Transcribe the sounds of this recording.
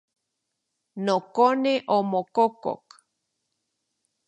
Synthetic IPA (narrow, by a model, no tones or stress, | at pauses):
nokoneʔomokoko̰k